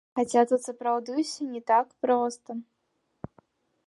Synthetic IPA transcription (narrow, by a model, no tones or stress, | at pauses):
xat͡sʲat̪ut̪sɐpɾawd̪ɨwsʲɐnʲɛt̪akpɾɔst̪ɐ